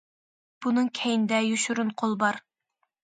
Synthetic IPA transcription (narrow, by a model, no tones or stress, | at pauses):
b̥unɨŋkʲʰɛjind̪ɛjyʃyɾunqʰolˠbɑɾ